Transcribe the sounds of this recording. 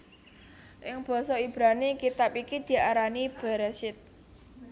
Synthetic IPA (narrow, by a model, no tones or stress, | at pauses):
ʔɪŋb̥ɔ̤sɔib̥ɾanikit̪apikid̪̥i̤aɾanib̥a̤ɾasɪt̪̚